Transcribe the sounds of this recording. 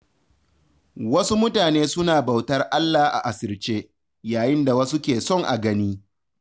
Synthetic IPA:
wɐ˦su˦mʊ˦taː˨neː˦sʊ˦naː˨ba˨wtɐ˦rʔa˦lːaː˨hʔa̰˨ʔa˨sɪ˨rt͡ʃeː˦ | jaː˨jɪ˦nda˨wɐ˦su˦kʲeː˨sɔ˦˨ŋʔa˨ɡɐ˦niː˦

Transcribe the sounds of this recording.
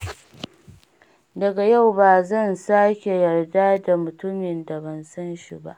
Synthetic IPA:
dɐ˨ɡa˨ja˦˨wbaː˨zɐ˦˨nsaː˦kʲe˨jɐ˨rdaː˦da˨mʊ˨tʊ˦mɪ˨nda˨bɐ˦nsɐ˦nʃḭ˦˨ba̰˦ʔ

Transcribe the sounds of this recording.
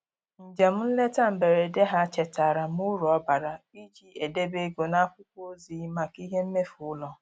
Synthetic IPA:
n̩˨d͡ʒe˨m̩˦n̩˦le˦ta˦m̩˨be˨ɾe˨de˦ɦa˦t͡ʃe˨ta˨ɾa˨m˦ʊ˦ɾɔ˦ba˨ɾa˨i˦d͡ʒi˦e˨de˦be˦ɡo˨na˦kʷʊ˦kʷo˦zi˨˦ma˨ki˦ɦe˦m̩˦me˦fʊ˨ʊ˦lɔ˨

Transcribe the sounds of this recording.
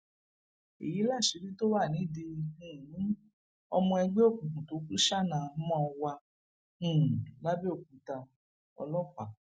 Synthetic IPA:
ḛ˨ji˨˦la˦˨ʃe˨˦ɾi˦to˦wa˦˨nĩ˨˦de˧ĩ˨nĩ˨˦ | ɔ̰˧mɔ̃˧ɛ˧ɡ͡be˦o˦˨kũ˨kũ˨to˨˦kũ˦ʃa˦˨nã˨˦mɔ̃˦ɔ˧wã˧˨ | la˦be˦o˦˨k̚ũ˨ta˧ | ɔ̰˧lɔ˦ka˨

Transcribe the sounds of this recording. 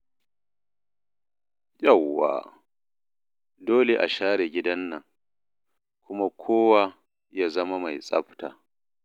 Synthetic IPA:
ja˦˨wːa̰ː˨ | doː˦le˨ʔa̰˨ʃaː˦ɽe˨ɡʲɪ˦dɐ˦nːɐ˨ŋ | kʷʊ˦ma˦kʷʰoː˦wa˦ | jaː˦zɐ˦ma˦ma˨jsʼɐ̰˦ɸta̰ː˨

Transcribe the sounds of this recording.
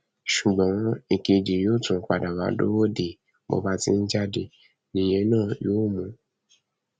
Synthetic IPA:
ʃu˨ɡ͡bɔ̃˨˦i˧ke˧d͡ʒe˨joː˦tũ˨˦k͡pa˨da˨wa̰˨˦do̰˦wo˦de˨ | mo̰˧ba˦ti˧˦n̩˦d͡ʒa˦de˨ | nĩ˨je˨˦nãː˦˨joː˦mũ˧˦

